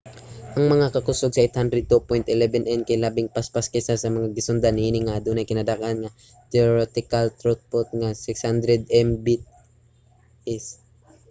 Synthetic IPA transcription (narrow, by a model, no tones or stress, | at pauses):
ʔɐŋmɐŋakɐkʊsoɡsɐʔet̪hand̪ɾɛd̪̚t̪upojnt̪ʔɪlɛbɛnʔɛnkajlaːbɪŋpaspaskɛsasɐmɐŋaɡɪsʊnd̪aniːnɪŋad̪ʊnɐjkɪnad̪akʔanŋa | t̪ɛoɾɛt̪ɪkalt̪ɾot̪̚pot̪̚ŋasɪkshand̪ɾɛd̪̚ɛmbɪt̪̚ | ʔɪs